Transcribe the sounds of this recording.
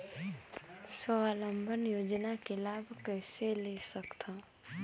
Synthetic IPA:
səaːlə̃mbʱənjoːd͡ʒnakelaːbʱkɛɦselesəkt̪ʰãː

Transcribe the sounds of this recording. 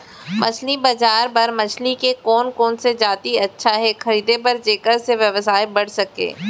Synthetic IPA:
mʔɐ̰t͡ʃʰlibɐd͡ʒaːɾpɐɾmɐt͡ʃʰlikekɔːnkɔːnsed͡ʒaːt̪iɐtːʃʰaɦɛxɐɾiːd̪epɐɾd͡ʒeːkəɾseʋjɐʋsaːebɐɽsɐkḛː

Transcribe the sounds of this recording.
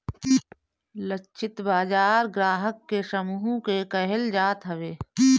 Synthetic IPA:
lət͡ʃʰɪt̪baːd͡ʒaːɾɡɾaːɦəkːesəmuːɦũkekəɦɪld͡ʒaːt̪ɦəʋeː

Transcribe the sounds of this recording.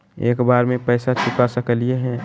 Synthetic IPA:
eːkbaːɾmẽpɛːsat͡ʃʰʊkasəkəlieɦɛ̃ː

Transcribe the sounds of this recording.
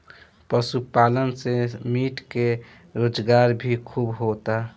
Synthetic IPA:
pəsupaːlənsemiʈke | ɾoːd͡ʒɡaɾbʱikʰubɦot̪a

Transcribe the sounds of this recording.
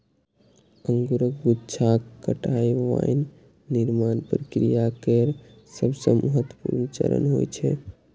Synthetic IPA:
əŋɡuɾək̚ɡutːt͡ʃʰakːəʈajʋa̰jnː | iɾmanpɾəkɾijakəɾ | səbsə̃mʔəɦət̪wəpuɾnt͡ʃə̰ɾə̰nɦojt͡ʃʰɛ̰

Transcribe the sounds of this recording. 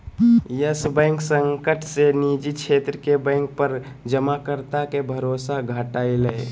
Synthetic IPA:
jəsbɛ̃ːŋksəŋkəʈʰsenid͡ʒit͡ʃʰeːt̪ɾəkebɛ̃ŋk̚pəɾ | d͡ʒəmakəɾt̪akebʱəɾoːsaɡʱəʈaːiləe

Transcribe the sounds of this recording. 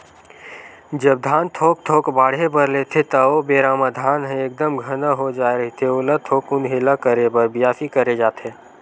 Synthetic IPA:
d͡ʒəb̚d̪ʱaːnt̪ʰoːk̚t̪ʰoːkbaːɽ̤ɦepəɾleːt̪ʰet̪ɐobeːɾaːmad̪ʱaːnɦɛ̃ek̚d̪əmɡʱənaɦod͡ʒaːɾəɦit̪ʰeolət̪ʰoːkʊnɦelakəɾebəɾbjaːfikəɾed͡ʒaːt̪eː

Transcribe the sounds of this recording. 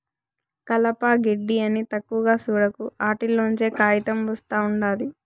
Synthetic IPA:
kɐlɐpaːɡeɖːiɐnit̪ɐkːuʋɐɡaːsuːɽɐkuaːʈilːoːuɲt͡ʃe̞ːkaːjɐt̪ɐmʋɐst̪aːuɳɖaːd̪i

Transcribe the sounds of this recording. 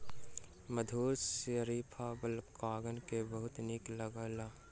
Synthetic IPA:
məd̪ʱuːɾsəɾiːpʰabəlkaːɡənkebəɦʊt̪niklɐɡəːlaː

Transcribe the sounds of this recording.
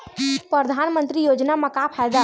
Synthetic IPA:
pɾəd̪ʱanmənt̪ɾijod͡ʒnaməkapʰajd̪a

